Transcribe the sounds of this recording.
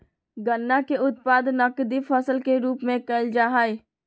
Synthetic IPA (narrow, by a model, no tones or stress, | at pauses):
ɡənːakeʊt̪̚paːd̪nəkd̪ifʰəsəlkeɾuːpmẽkəɪld͡ʒaːɦaːj